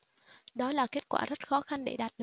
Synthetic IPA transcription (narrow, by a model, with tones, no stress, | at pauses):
ɗɔ˨˦laː˨˩ke˦˥t̚kwa̰ː˧˩zə˦˥t̚xɔ˨˦xa˧nɗḛ˧˩ɗaː˨˩t̚l